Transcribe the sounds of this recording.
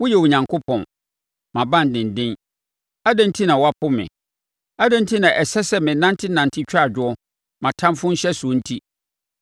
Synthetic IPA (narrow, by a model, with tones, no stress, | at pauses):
wʊ˦jɛ˨wʊ˨ɲã˨ŋkʰʊ˦pʰɔ̃˨n | mã˨bã˦˨n̩˨dɪ̃˨n˨dɪ̃˦n | a˦dã˦n˦tʰi˦nã˨wa˦pʰʊ˦mɪ̰̃˨ | a˦dã˦n̩˦tʰi˦nã˨ʔɛ˨sɛ˦sɛ˦mɪ̃˨nã˦ntʰɪ˦nã˨ntʰɪ˦t͡ɕᶣa˦˨d͡ʑᶣʊ˦ɔ˦ | mã˨tʰã˦mfʊ̃˦n̩˦ɕɛ˦su˨˦n̩˦tʰi˦